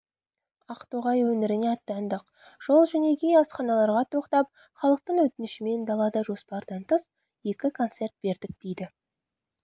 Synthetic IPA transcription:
ɑqt̪oʁɑjwɵnɪɾɪneɑt̪ːɑnd̪əq | ʒ̥o̞lˠʒæne̞ɡʲejɑsχɑnɑlˠɑɾʁɑt̪ʰo̞qt̪ɑp̚ | χɑlˠəq̚t̪əɴwɵt̪ɪnɪʃɪme̞nd̪ɑlˠɑd̪ɑʒo̞spɑɾd̪ɑnt̪əs | je̞kʲɪkʰo̞nt̪se̞rt̪̚b̥e̞ɾd̪ɪk̚d̪̥ejd̪ɪ

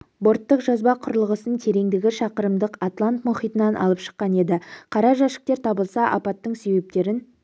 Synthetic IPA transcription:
bo̞ɾt̪ːəqʒɑzbɑqʰʊɾəlˠəʁəsənt̪ʰe̞ɾe̞ŋd̪ɪɡʲɪʃɑqəɾəmd̪əqat̪lˠant̪mʊχijt̪ənɑnʔɑ̰lˠəpʃə̥qːɑne̞d̪ɪqʰɑɾɑʒæʃɪ̥k̚t̪e̞ɾt̪ʰɑbəlˠsɑʔɑ̰pɑt̪ːəɴse̞be̞p̚t̪e̞ɾɪn

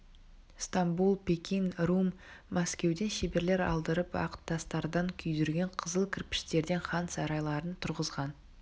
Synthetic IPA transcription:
st̪ambulˠpekʲinrumː | askʲe̞wd̪e̞nʃebe̞ɾle̞ɾɑ̰lˠd̪əɾəpɑ̰qə̥t̪ʰːɑst̪ɑɾd̪ɑŋkʲʰʏjd̪ʏɾɡʲe̞ɴqʰəzəlˠkʲʰɪɾpɪ̥st̪e̞ɾd̪e̞nχɑnsɑɾɑjlˠɑɾənt̪ʰʊɾʁəzʁɑn

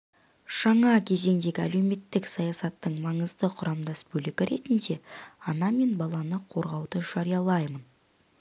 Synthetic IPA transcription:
ʒ̥ɑɴɑkʲʰe̞ze̞ŋd̪e̞ɡʲɪæ̰le̞wme̞t̪ːɪksɑjɑsɑt̪ːəɴmɑɴəzd̪əqʰʊɾɑmd̪ɑsbɵlɪɡʲɪɾe̞t̪ɪnd̪e̞ɑnɑme̞nbɑlˠɑnəqʰo̞ɾʁɑwd̪əʒɑɾijɑlˠɑjmən

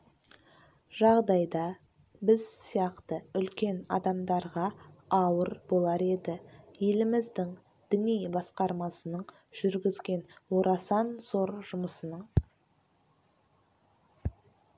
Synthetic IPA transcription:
ʒɑʁd̪ɑjd̪ɑ | bɪzsijɑqt̪əʏlkʲe̞nɑ̰d̪ɑmd̪ɑɾʁɑɑwəɾbo̞lˠɑɾe̞d̪ɪje̞lɪmɪzd̪ɪŋ | d̪̥ʏnijbɑsqɑɾmɑsənəɴ | ʒ̥ʏɾɡʲɪzɡʲe̞nwo̞ɾʔɑsɑnzo̞ɾʒʊməsənəɴ

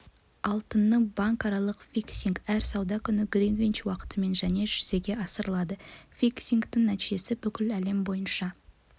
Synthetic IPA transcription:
ɑlˠt̪ənːəbɑŋkɑɾɑlˠəqfʲiksiŋkæɾsɑwd̪ɑkʲʰʏnɪɡɾinvʲint͡ʃwɑqə̥t̪əme̞nʒæne̞ʒ̥ʏz̥e̞ɡʲe̞ɑsəɾəlˠɑd̪əfʲijksʲiŋkt̪ɪŋnæt̪iʒe̞sɪbʏkʲɪlæle̞mbo̞jənʃɑ

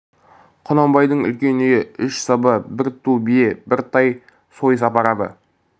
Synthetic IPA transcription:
qʰʊnɑmbɑjd̪əɴʏ̰lkʲe̞neɪʏʃsɑbəbɪɾt̪ʰːubiebɪɾt̪ʰɑj | so̞js̬ɑpɑɾɑd̪ə̰

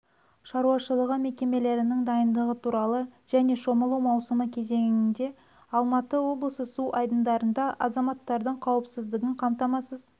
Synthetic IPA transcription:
ʃɑɾuɑʃəlˠəʁəme̞kʲe̞me̞le̞ɾɪnɪŋd̪ɑjənd̪əʁət̪ʰuɾɑlˠəʒ̥æne̞ʃo̞məlˠuwmɑwsəməkʲʰe̞ze̞ŋɪnd̪e̞ | ɑlˠmɑt̪əwo̞blˠəsəsuʔɑjd̪ənd̪ɑɾənd̪ɑʔɑzɑmɑt̪ːɑɾd̪əɴqʰɑwəpsɪzd̪ɪɡʲɪɴqʰɑmt̪ɑmɑsəz

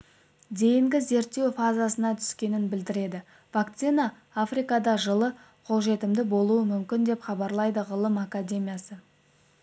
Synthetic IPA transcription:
d̪e̞jɪŋɡʲɪze̞ɾt̪ːe̞wfazasənɑt̪ʰʏ̥skʲe̞nɪnbɪld̪ɪɾe̞d̪ɪ | vakt̪sijnɑ | afrijkɑd̪ɑʒəlˠə | qʰo̞lˠʒe̞t̪ɪmd̪ɪbo̞lˠuəmʏmkʲɪnd̪e̞pχɑbɑɾlˠɑjd̪əʁəlˠəmakad̪ʲe̞mʲijasə

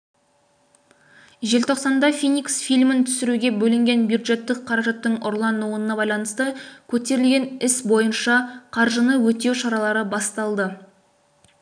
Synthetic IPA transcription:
ʒe̞lt̪ʰo̞qsɑnd̪ɑfijnʲiksfijlʲmɪnt̪ʰʏ̥sɪɾuɡʲe̞bɵlɪŋɡʲe̞nbjud̪ʒe̞t̪ːɪk̚qʰɑɾɑʒɑt̪ːəɴʔʊɾlˠɑnːuwənənɑbɑjlˠɑnəst̪əkʲʰɵt̪e̞ɾɪlɡʲe̞nɪsbo̞jənʃɑqʰɑɾʒənəwɵt̪ewʃɑɾɑlˠɑɾəbɑst̪ɑlˠd̪ə

